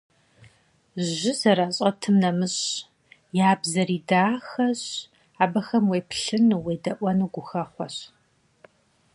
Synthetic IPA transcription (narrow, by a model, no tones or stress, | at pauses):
ʒɪzɐɾaːɕʼɐtʰɨmnɐmɨɕ | jaːbzɐɾiːdaːxɐɕ | aːbɐxɐmweːpɬɨnuweːdɐʔʷɔnuɡʷʊxɐχʷɔɕ